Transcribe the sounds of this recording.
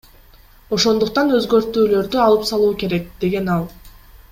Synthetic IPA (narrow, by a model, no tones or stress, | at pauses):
o̞ʃo̞nd̪uq̚t̪ɑnø̞zɡø̞ɾt̪yːlø̞ɾd̪yɑlˠɯpsɑlˠuːke̞ɾe̞k̚d̪̥e̞ɡe̞nɑlˠ